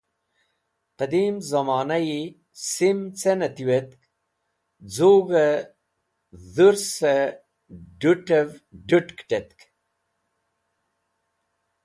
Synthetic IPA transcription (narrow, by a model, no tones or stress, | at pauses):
qəd̪imzɐmaːnaji | simt͡senɐt̪iwet̪k | d͡zoːɡɐ | zuɾse | ɖuʈevɖuʈkʈet̪k